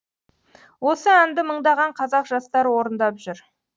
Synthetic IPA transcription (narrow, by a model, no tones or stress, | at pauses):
wo̞səænd̪ɪməɴd̪ɑʁɑɴqʰɑzɑqʒɑst̪ɑɾwo̞ɾənd̪ɑpʒʏɾ